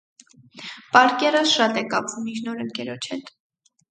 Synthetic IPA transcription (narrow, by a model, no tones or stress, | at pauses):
pɑɾkɛɾəsʃɑt̪ɛkɑpʰvumint͡ʃʰnɔɾəŋkɛɾɔt͡ʃʰɛt̪